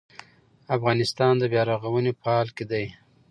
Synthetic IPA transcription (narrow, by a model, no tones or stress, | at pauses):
afɣɑnɪst̪ɑnd̪əbjɑɾɑɣawənepəɑlked̪aj